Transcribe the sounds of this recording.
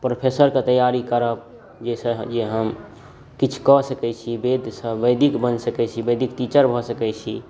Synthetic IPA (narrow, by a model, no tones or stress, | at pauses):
pɾopʰesəɾket̪əjaɾikəɾəp̚ | d͡ʒesə̃d͡ʒeɦəm | kit͡ʃʰu̥kɔsəkɛt͡ʃʰibed̪ʱsə̃bəjd̪ikbənsəkɛt͡ʃʰibəjd̪ikt̪it͡ʃəɾbʱɔsəkɛt͡ʃʰi